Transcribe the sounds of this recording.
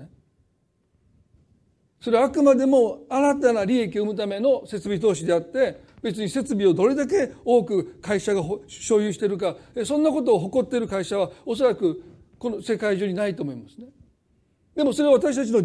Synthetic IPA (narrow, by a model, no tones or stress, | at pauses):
so̞ɾe̞aːkɯ̟mad̪e̞mo̞aɾat̪anaɾʲie̞k̬ʲio̞ɯmɯ̟t̪ame̞no̞se̞t͡sɨbʲit̪o̞ːɕid̪e̞at̪ːe̞ | be̞t͡sɨɲ̟ise̞t͡sɨbʲio̞d̪o̞ɾe̞d̪ak̬e̞o̞ːkɯ̟kaiɕaɡaɦɕo̞ːjɯːɕi̥t̪e̞ɾɯ̟kaesõ̞nːako̞t̪̬o̞ːɦo̞ko̞t̪ːe̞ɾɯ̟kaiɕaβ̞ao̞s̬o̞ɾakɯ̟ | ko̞nose̞kaiʑoːɲ̟inait̪oːmo̞imasɨ̥ne | d̪e̞mo̞so̞ɾe̞aβat̪aɕ̬i̥t̪at͡ɕ̬ino